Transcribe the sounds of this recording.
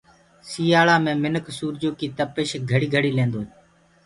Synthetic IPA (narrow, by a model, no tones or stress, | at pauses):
siːaːɭaːmẽːmɪnəksuːɾd͡ʒoːkiːt̪əpɪʃɡʱəɽiːɡʱəɽiːlẽːnd̪oː